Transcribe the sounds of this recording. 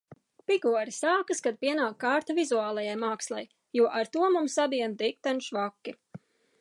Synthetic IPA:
piɡuɔɾisaːkɨskad̪̥̚piɛnaːkːaɾt̪avizuaːlˠajajmaːkslˠaj | juɔʔaɾt̪uɔmumsab̪iɛnd̪ik̚t̪anʃvakːi

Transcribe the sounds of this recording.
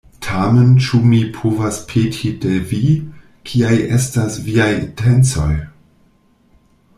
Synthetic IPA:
tʰament͡ʃumipʰovaspʰetʰidevi | kʰiajʔestasviajintʰent͡so̞̰j

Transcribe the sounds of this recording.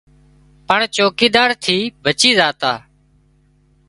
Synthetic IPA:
pəɳt͡ʃoːkiːd̪aːɾt̪ʰiːbʱət͡ʃiːzaːt̪aː

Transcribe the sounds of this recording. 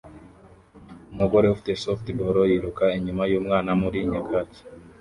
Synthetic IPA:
maɡoɾehufi̥te̞softiboɾojiɾukaiɲumajuːmŋaːnamuɾiːɲakʰati̥

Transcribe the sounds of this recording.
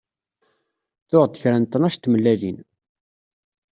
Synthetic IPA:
θʊʁd̪əçɾænt̪ːənæʃt̪ːməlːælin

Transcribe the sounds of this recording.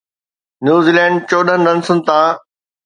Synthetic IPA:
njuːziːlɛ̃ːɳɖ̚t͡ɕoːɗənɪɗɐnsʊn̆t̪ãː

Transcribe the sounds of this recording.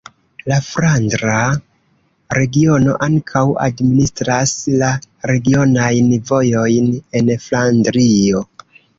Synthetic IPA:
lafɾandɾa | ɾe̞ɡio̞no̞̰ʔaŋkʰawa̰dministɾasla | ɾe̞ɡio̞najnvo̞jo̞jne̞nflandɾio̞

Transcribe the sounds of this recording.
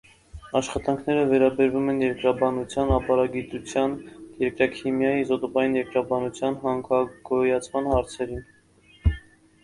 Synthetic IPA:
ɑʃχɑt̪ɑŋkʰnɛɾəvɛɾɑbɛɾvumɛnjɛɾkɾɑbɑnut͡sʰjɑnɑpɑɾɑɡit̪ut͡sʰjɑnjɛɾkɾɑkʰimjɑjizɔt̪ɔbɑjinjɛɾkɾɑbɑnut͡sʰjɑnɦɑŋkʰɑɡɔjɑt͡sʰmɑnhɑɾt͡sʰɛɾin

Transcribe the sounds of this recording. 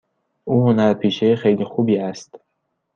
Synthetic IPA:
ʔuːɦonæɾpʰiːʃejexejliːxubiːæst̪

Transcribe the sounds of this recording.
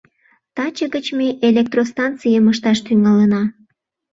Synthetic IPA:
t̪ɑt͡ɕəɣət͡ɕmeʔelek̚t̪rost̪ɑnt̪t͡sijəməʃt̪ɑʃt̪yŋɑlənɑ

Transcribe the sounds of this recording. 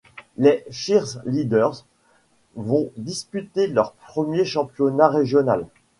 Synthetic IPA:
lefiʁzlid̪œʁz | vɔ̃d̪ispyt̪elœʁpχəmjeʃɑ̃pjɔnaʁeʒjɔnal

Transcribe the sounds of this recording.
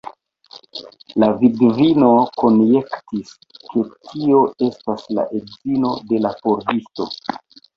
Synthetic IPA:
lavidvino̞ko̞nje̞ktis | kʰe̞tʰio̞e̞stasla̰ʔe̞dzino̞de̞lapoɾdisto̞̰

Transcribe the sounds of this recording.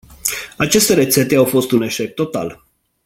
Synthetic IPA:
at͡ʃe̞st̪e̞ɾe̞t̪se̞t̪e̞awfo̞st̪une̞ʃek̚t̪o̞t̪a̰l

